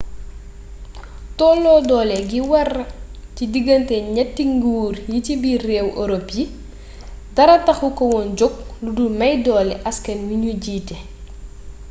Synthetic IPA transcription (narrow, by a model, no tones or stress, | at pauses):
tɔːlːɔːdɔːlɛɡiwɐrcidiɡɐntɛɲɛtːiŋɡuːrjicibirɛːwʔoɾopji | dɐɾɐtɐxukɔwɔnd͡ʒɔk̚ludumɐjdɔːlɛʔɐskɐnwiɲuɟiːtɛ